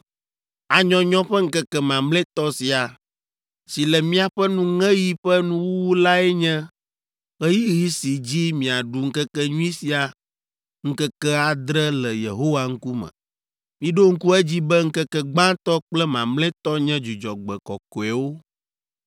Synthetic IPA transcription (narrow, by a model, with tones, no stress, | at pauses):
a˨ɲɔ̃˦ɲɔ̃˦ɸɛ˦ŋ̩˦kɛ˦kɛ˦mã˨mlɛ˦t̪ɔ˦si˨a˨ | si˨lɛ˨mĩ˦a˨ɸɛ˦nũ˦ŋɛ̃˦ji˦ɸɛ˦nũ˦wwu˦la˦ɛ˦ɲɛ̃˦ | ɣɛ˦ji˦ɣi˦si˨d͡ʑi˦mĩ˨a˨ɖu˨ŋ̩˦kɛ˦kɛ˦ɲũ˦ĩ˦si˨a˨ | ŋ̩˦kɛ˦kɛ˦a˨d̪ɾɛ˦lɛ˨jḛ˨ɦo˦wa˦ŋ̩˦ku˦mɛ̰̃˨ | mĩ˦ɖo˦ŋ̩˦ku˦ɛ˦d͡ʑi˦bɛ˦ŋ̩˦kɛ˦kɛ˦ɡ͡bã˦t̪ɔ˦k͡plɛ˦mã˨mlɛ˦t̪ɔ˦ɲɛ̃˦d͡ʒu˨d͡ʒɔ̰˨ɡ͡bɛ˨kɔ˨ko˨ɛ˨wo˦